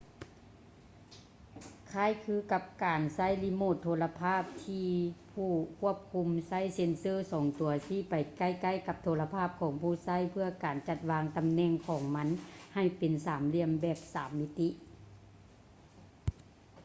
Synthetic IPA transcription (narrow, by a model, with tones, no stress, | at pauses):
kʰa˧˥˩jkʰɯː˧˥ka˧p̚kaː˨˩nsa˧˥˨jli˧˥moː˧˩t̪ʰːoː˧la˧pʰaː˥˩p̚t̪ʰiː˧pʰuː˧˩kʰu˧˥˩əp̚kʰu˧˥msa˦˥˨jse˧˦nsɤː˧˨sɔː˨˦ŋt̪u˨˩ɐsiː˧˩˨pa˨jka˧˩˨jka˧˩˨jka˧p̚t̪ʰoː˧la˧pʰaː˥˩p̚kʰɔː˨˦ŋpʰuː˧˩˨sa˧˥˨jpʰɯ˧˩ɐkaː˨˩nt͡ɕa˧t̪̚waː˧˥ŋt̪a˨mnɛː˧˩˨ŋkʰɔː˨˩˦ŋma˧˥nha˧˩jpe˨nsaː˩˦mli˧˥˩əmbɛː˧˩p̚saː˨˦mːi˧t̪i˧˥ʔ